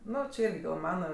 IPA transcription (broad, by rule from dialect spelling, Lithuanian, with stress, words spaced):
ˈnʊ t͡ʃʲɪ ˈɪrʲɡʲɪ ɡɐlˠ ˈmɑːnɐ